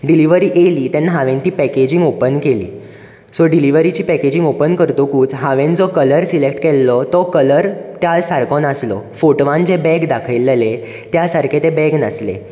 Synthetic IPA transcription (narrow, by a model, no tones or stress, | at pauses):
ɖiliʋəɾiːʔeliːt̪jãnːaɦaʋẽnt̪iːpɛked͡ʑĩŋɡopənkelḭː | sɔɖiliʋəɾit͡ɕiːpɛked͡ʑĩŋɡopənkəɾt̪okuːt͡sɦaʋẽnd͡zɔkələɾsilekʈkɛlːɔt̪ɔkələɾt̪jalsaɾkɔnaslɔ̰foʈʋãnd͡ʑebɛɡd̪akʰəjlːele | t̪jasaɾkʰet̪ebɛɡnəslḛ